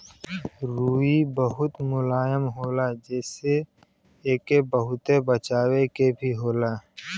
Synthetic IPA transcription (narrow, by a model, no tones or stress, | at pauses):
ɾuːibəɦʊt̪mʊlaːjəmɦoːlad͡ʒɛːse | eːkebəɦʊt̪ebət͡ʃaːwekebʱiɦoːlaː